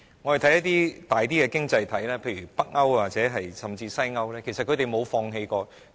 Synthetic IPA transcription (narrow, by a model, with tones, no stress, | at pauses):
ŋɔ˨˧hɐ˨˩jt̪ʰɐ˦˥jɐ˥t̪iː˥t̪aː˨jt̪̬iː˥kɛ˧kɪ˥ŋt͡sɐ˧jt̪ʰɐ˨˥jlɛː˥pʰe˧jɥyː˨˩pɐ˥k̚ŋɐ˥wwaː˨˩k̚t͡sɛː˨˧˥ɦɐ˨jsɐ˨mt͡siː˧sɐ˥jŋɐ˥wlɛː˥kʰe˨˩sɐ˨t̚kʰɵ˧t̪e˨jmo˨˧wfɔː˧ŋɦe˧jkɔː˧